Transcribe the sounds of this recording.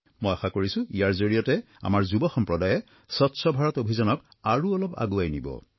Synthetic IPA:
mojaxakoɹisʊ̃ijaɹzoɹijɔtɛ | a̰maɹzubɔxɔmpɹɔdajɛ | sɔtsɔbʱaɹɔtobʱizanɔk | aɹuɔlɔpa̰ɡuajnḭbɔ̰

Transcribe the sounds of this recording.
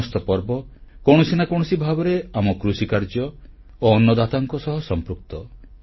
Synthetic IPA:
ɔst̪ɔpɔɾbɔkoɽ̃ɔsinakoɽ̃ɔsibʱabɔɾeamɔkɾusikaɾd͡ʒjɔ | oːnːɔd̪at̪aŋkɔsɔɦɔsɔmpɾuk̚t̪ɔ

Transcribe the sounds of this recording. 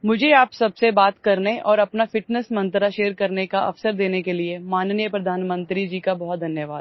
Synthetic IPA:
mʊd͡ʒʱeaːpsɐbsebaːt̪kɐɾneʔɔːɾɐpnafɪʈnəsmɐ̃nt̪ɾaʃeːɾkɐɾnekaʔɐ̰fsəɾd̪eːnekeliemaːnnjəpɾɐd̪ʱaːnmə̃nt̪ɾid͡ʒiːkabɔɦɔt̪̚d̪ʱɐnjəʋaː

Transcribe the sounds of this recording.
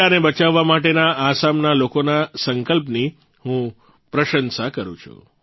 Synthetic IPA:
ənebət͡ʃaʋːamaʈenaːsamnalokonasəŋkəlpni | hũ | pɾəʃənsakəɾṵ̃t͡ʃʰṵ

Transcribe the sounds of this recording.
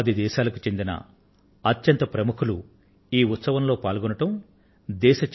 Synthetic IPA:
ɐd̪id̪ɛːʃaːlɐku̥t͡ʃe̞nd̪inɐ̰ | ɐt̪jɐnt̪ɐpɾɐmukʰulu | iːut̪sɐʋɐmlo̞ːpaːlɡunɐʈɐm | d̪ɛːʃɐt͡ʃ

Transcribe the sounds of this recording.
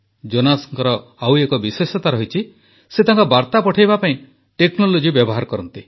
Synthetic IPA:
d͡ʒonasɔŋkɔɾɔawekɔbisesɔt̪aɾɔɦit͡ʃʰi | set̪aŋkɔbaɾt̪apɔʈʰajbapaĩ | ʈeknolod͡ʒibjɔbɔɦaɾɔkɔɾɔnt̪i

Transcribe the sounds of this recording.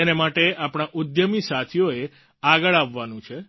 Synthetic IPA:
enemaʈeapɽ̃aʔʊd̪jəmisat̪ʰijoe | aɡəɭaʋːanũt͡ʃʰe

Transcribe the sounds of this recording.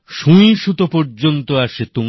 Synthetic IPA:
ʃũjʃut̪opoɾd͡ʑont̪oaʃet̪um

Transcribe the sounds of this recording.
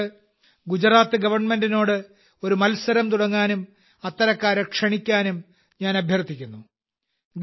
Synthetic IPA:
ɨ | ɡud͡ʑɾraːt̪ːɨɡɐʋɐrɳme̞ndino̞ːɽɨ | o̞ɾumɐlsɐɾɐmt̪uɽɐŋːaːnum | ɐt̪ːɐɾɐkːaːɾɐkʂɐɳikʲːaːnum | ɲaːnɐbʱjɐrt̪ʰikʲːunːu | ɡ

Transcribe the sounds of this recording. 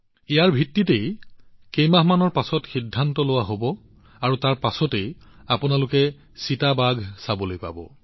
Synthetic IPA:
ijaɹbʱitːitejkejmaɦmanɔɹpasɔtxidʱːantɔlʊwaɦobɔ | aɹutaɹpasɔtejapʊnalʊkɛ | sitabaɡʱsabolojpa̰bɔ̰

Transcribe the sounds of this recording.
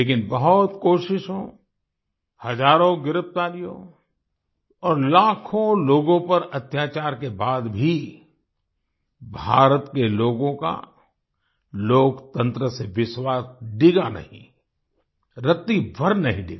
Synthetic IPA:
leːkɪnbɐɦʊt̪koːʃɪʃɦõ | hɐd͡ʒaːɾõɡɪɾɪp̚t̪aːlijõ̰ | ɔːɾlaːkʰõloːɡõpɐɾɐt̪jaːt͡ʃaːɾkebaːd̪bʱi | bʱaːɾət̪keloːɡõka̰ | loːkt̪ə̃nt̪ɾəseʋɪʃwaːsɖɪɡanɐ̰ɦḭ̃ | ɾɪt̪ːibʱɐɾnɐɦĩɖɪ̰ɡa

